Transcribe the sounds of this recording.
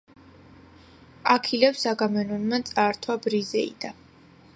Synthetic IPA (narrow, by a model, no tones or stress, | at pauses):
akʰilɛpsaɡamɛnunmat̪sʼaɾt̪ʰwabɾizɛḭd̪̥a